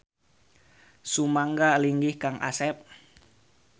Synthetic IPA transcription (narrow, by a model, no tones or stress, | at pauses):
sumaŋɡaliŋɡihkaŋʔa̰sɛp̚